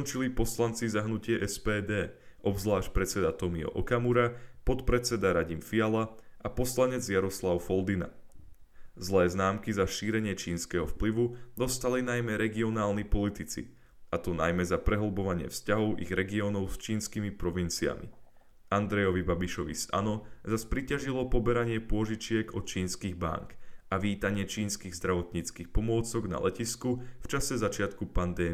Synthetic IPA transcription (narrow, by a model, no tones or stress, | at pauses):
kɔnt͡ʃilipɔslant͡sizaɦnucɪɛʔɛspɛːd̪ɛːʔɔbzlaːʃcpɾɛt͡sɛd̪at̪ɔmiɔ̰ʔɔkamuɾapɔt̪pɾɛt͡sɛd̪aɾaɟimfialaʔapɔslaɲɛd͡zjaɾɔslaʊfɔld̪ina̰ | zlɛːznaːmkizaʃiːɾɛɲɪɛt͡ʃiːnskɛɦɔfpliʋud̪ɔst̪alinajmɛɾɛɡiɔnaːlnipɔlit̪it͡sḭ | at̪ɔnajmɛzapɾɛɦɔlbɔʋaɲɪɛ̰fscaɦɔʊʔḭɣɾɛɡiɔːnɔʊst͡ʃiːnskimipɾɔʋint͡sia̰mḭ | and̪ɾɛjɔʋibabiʃɔʋḭsa̰nɔzaspɾicaʒilɔpɔbɛɾaɲɪɛpʊɔʒit͡ʃɪɛɡɔt̪t͡ʃiːnskiːɣba̰ŋkaʋiːt̪aɲɪɛt͡ʃiːnskiːɣzd̪ɾaʋɔt̪ɲiːt͡skiːxpɔmʊɔt͡sɔɡna̰lɛ̰ciskuft͡ʃasɛzat͡ʃɪat̪kupand̪ɛː